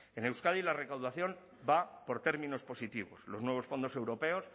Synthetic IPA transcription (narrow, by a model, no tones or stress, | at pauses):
ene̞wskaðilare̞kawðaθjo̞m | bapo̞ɾt̪e̞ɾmĩno̞spo̞sit̪iβo̞̰slo̞znwe̞βosfo̞nd̪o̞se̞wɾo̞pe̞os